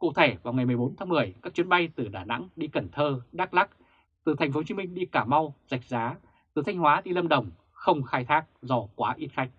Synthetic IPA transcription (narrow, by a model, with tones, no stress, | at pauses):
kṵ˧˨t̪ʰe˧˩vaː˨˩wŋa˨˩jmɨ˨˩əjɓo˨˦nt̪ʰaː˨˦ŋmɨ˨˩əjkaː˦˥k̚t͡ɕwi˨˦nɓa˧jt̪ɨ˨˩ɗaː˧˩na̰˧˥ŋɗi˧kə˧˩nt̪ʰəː˧ɗaː˦˥k̚la˦˥k̚ | t̪ɨ˨˩t̪ʰɛ˨˩jŋ̟fo˨˦t͡ɕi˨˧˦mi˧ŋ̟ɗi˧kaː˧˩ma˧wza˨˩jk̟̚zaː˨˦ | t̪ɨ˨˩t̪ʰa˧jŋ̟hwaː˨˦ɗi˧lə˧mɗə˨˩wŋ͡m | xə˧wŋ͡mxaː˧jt̪ʰaː˦˥k̚zɔ˧kwaː˨˦ʔi˦˥t̚xa˦˥jk̚